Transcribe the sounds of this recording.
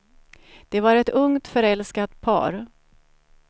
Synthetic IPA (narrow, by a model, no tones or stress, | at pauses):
d̪̥ɛvaɾɛt̪ɵŋt̪fœɾɛlskat̪pʰɑ̰ːɾ